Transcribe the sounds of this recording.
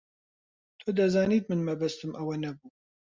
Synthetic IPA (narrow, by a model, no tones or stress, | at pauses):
t̪ʰod̪ɐzaːniːt̪̚mɨnmɐbɐst̪ɨmʔɐwɐnɐbuː